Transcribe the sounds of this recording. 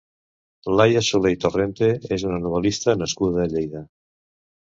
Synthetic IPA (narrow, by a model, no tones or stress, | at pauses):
lajasulejt̪orent̪eezunanoβ̞elist̪anaskuðaðeʎejða